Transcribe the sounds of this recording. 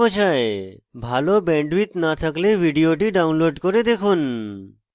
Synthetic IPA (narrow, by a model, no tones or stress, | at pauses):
ot͡ɕʰaebʱalobɛ̃ɳɖwit̪nat̪ʰaklebʱiɖioʈiɖaunloɖkoɾed̪ekʰun